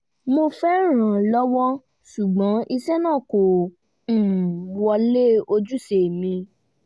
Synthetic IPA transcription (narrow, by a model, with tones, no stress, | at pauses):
mo˧fɛ˦ɾ̃ã˨lɔ˦wɔ˦ | su˨ɡ͡bɔ̃˨˦ʔi˧sɛ˦nãː˦˨kõ˨ | wɔ˧le˦˨o˧d͡ʒu˦se˨mĩ˧